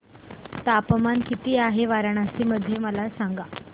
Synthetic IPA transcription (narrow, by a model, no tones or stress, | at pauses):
t̪apəmankit̪iːaɦeʋaɾaɳ̃asiːməd̪ʱːjeməlasãŋɡa